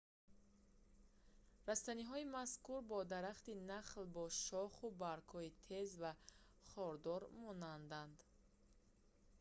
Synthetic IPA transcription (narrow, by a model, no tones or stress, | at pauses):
ɾast̪aniɦɔimaskuɾbɔd̪aɾaχt̪inaχlbɔʃɔχubaɾkhɔit̪ʰe̞zva | χɔɾd̪ɔɾmɔnand̪and̪